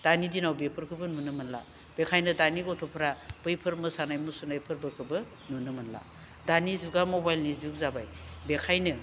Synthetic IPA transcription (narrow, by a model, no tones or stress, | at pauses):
d̥anidinawbepʰɯɾkʰɯbɯnunɯmɯnla̰ | b̥ekʰajnɯdaniɡɔtʰɔpʰɾab̥ɯjpʰɯɾmɯsanajmusunajpʰɯɾbɯkʰɯbɯ | nunɯmɯnla̰ | danizuɡamobajlniziuk̚zabajbekʰajnɯ